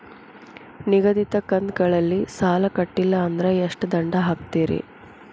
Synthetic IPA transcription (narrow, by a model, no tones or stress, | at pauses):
niɡɐd̪it̪ɐkːɐnd̪ɡɐɭɐlːisaːlɐkɐʈːilːɐːnd̪ɾeeʂʈd̪ɐɳɖɐɦaːk̚t̪iːɾḭ